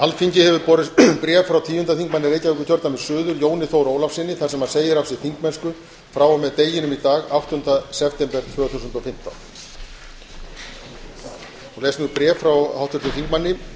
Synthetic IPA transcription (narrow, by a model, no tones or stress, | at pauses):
halt̪fiɲcɪhɛvʏɾpɔɾɪpɾɛːfːɾawt̪ʰiːʏnt̪aθiŋkmanːɪɾeːjcavœhkʏçɔɾt̪amɛ̥sʏːðʏɾjoːwnɪθowɾoːwlafsɪnːɪθḁɾsɛmaseːjɪɾafsɪθiŋkmɛnskʏ | fɾaːwawmɛðt̪eːjɪnʏmit̪aːɣaw̥t̪hʏnt̪asɛft̪ɛmpɛɾ̥t̪ʰvœːθusʏnt̪ɔfɪm̥t̪a̰wn | ɔɣleːjsnʏpɾɛːffɾawhawt̪ʰʏɾ̥t̪ʏθiŋkmanːɪ